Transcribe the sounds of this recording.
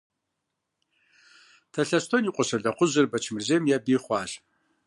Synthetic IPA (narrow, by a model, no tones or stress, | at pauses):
tʰɐɬɐstʰoniːqʷʼɔɕɐɮɐqʷʊʑɨrbɐt͡ʃʰmɨrzeːmjabiːχʷɑːɕ